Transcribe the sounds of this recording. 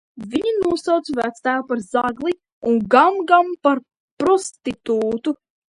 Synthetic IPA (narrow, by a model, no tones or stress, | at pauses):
vʲiɲinuɔsawt̪svæt̪st̪æːwpaɾzaɡlˠi | uŋɡamɡampaɾ | pɾɔst̪it̪uːt̪u